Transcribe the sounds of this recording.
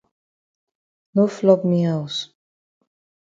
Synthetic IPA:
noflɔpmiaʊs

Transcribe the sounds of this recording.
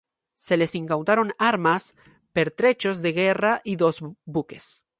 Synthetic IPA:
se̞le̞siŋkawt̪aɾo̞naɾmas | pe̞ɾt̪ɾe̞t͡ʃo̞zðe̞ɣe̞raʔiðo̞zbuke̞s

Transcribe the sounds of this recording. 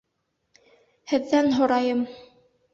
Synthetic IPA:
hɘ̆ðːænɦŏɾɑjɤm

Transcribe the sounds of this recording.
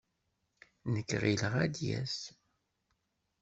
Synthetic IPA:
nəkːʁiləʁæd̪jæ̰s

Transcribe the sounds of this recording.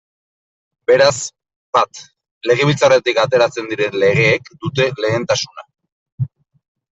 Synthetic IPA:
be̞ɾas | bat̪ | le̞ɣ̞e̞βit͡saret̪ikat̪e̞ɾat͡se̞nd̪iɾe̞nle̞ɣ̞e̞ːkd̪ut̪e̞le̞ːnt̪asuna̰

